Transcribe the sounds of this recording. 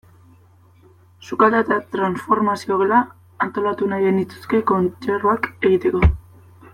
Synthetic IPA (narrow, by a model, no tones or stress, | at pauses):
sukald̪at̪at̪ɾansfo̞ɾmasioɣelaː | nt̪o̞lat̪unaje̞nit͡s̪u̥ske̞ko̞nt͡ʃeɾuake̞ɣit̪e̞ko̞